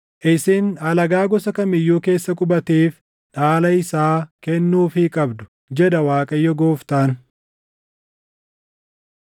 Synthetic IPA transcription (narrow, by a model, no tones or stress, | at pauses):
ʔɪsɪnɐlɐɡaːɡɔsɐkɐmɪjːuːke̞ːsːɐkʼʊbɐt̪eːf | ᶑaːlɐɪsaːkɛnːuːfɪkʼɐbd̪ʊ̥ | d͡ʒɛd̪ɐwaːkʼɐjːɔɡoːft̪aːn